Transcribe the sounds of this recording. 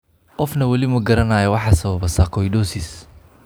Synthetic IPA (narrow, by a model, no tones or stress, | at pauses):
qɔfnɐwɐlɪmɐɡɐɾɐnaːjɐwɑħɑsɐβɐβɐsakʰɔjɖɔsɪs